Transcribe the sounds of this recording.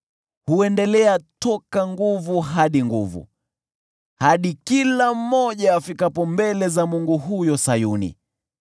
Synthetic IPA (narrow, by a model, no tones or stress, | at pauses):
huɛndɛlɛatɔkaŋɡuvuɦaɗiŋɡuvṵ | haɗikilam̩mːɔʄaːfikapɔmbɛlɛzamuŋɡuɦujɔsajunḭ